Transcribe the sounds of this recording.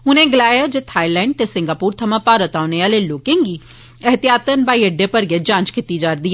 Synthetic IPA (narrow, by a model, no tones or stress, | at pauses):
ʊnẽːɡəlaːjaːd͡ʒet̪ʰaːilɛ̃ːɳɖ̚t̪esɪ̃ŋɡaːpuːɾt̪ʰəmãːpaːɾət̪aːneaːleːloːkẽːŋɡiː | əɦət̪ɪjaːt̪ənbaːiəɖːeːpəɾɡɛːd͡ʒãːnt͡ʃkit̪id͡ʒaːɾd̪iɛː